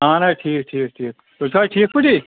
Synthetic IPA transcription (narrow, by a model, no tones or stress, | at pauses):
ãːnajʈʰiːkʈʰiːk̚ʈʰiːk̚ | t̪ot͡ʃʰaːʈʰiːk̚pɪʈiː